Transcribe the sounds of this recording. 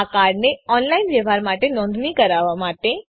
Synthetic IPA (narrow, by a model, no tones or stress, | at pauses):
akaɾɖneɔnlainʋebʱaɾmaʈenɔ̃nd̪ʱnikəɾaʋamaʈe